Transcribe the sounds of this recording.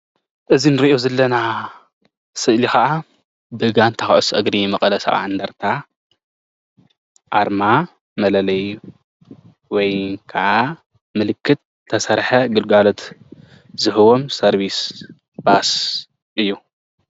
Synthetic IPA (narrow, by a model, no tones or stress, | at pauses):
ʔɨzinɨɾiʔozɐlːɐna | sɨʔlikɐʔa | bɨɨɡant̪ʰɐxʔosʔɨɡɾimɐkʼɐlɐsɐ̰βa̰nd̪ɐɾt̪ʰa | ʔaɾma | mɐlɐlɐj | wɔjkʰaʔa | mɨlɨkʰːɨt̪̚ʰːɐsɐɾħɐɡɨlɡalo̞t̪ | zɨhɨwo̞msɐɾβis | b̥as | ʔɨjːu